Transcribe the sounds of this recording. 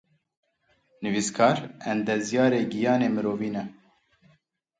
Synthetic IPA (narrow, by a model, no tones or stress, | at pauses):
nɨviskʰɑːɾɛmd̪ɛzjɑːɾeːɡijɑːneːmɨɾoːviːnɛ